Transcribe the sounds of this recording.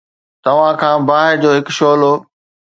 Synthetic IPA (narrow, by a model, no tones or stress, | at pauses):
t̪ɐʋ̤ãkʰãːbaːɦɪɾd͡ʑoːɦɪkʃoːloː